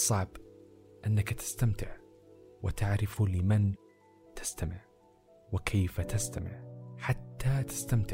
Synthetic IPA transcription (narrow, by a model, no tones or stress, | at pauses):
sˤːɑʕb | ʔanːakt̪ɪ̥st̪amt̪ɪʕ | wɪt̪aʕɾɪflɪman | t̪ʰɪ̥st̪amɪʕ | wɪkʰeːfat̪ast̪amɪ̰ʕħat̪ːat̪ɪ̥st̪amt̪ɪʕ